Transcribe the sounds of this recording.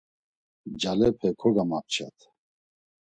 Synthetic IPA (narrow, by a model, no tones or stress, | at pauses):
d͡ʒalɛpʰɛkʰɔɡamap̚t͡ʃʰa̰t̪ʰ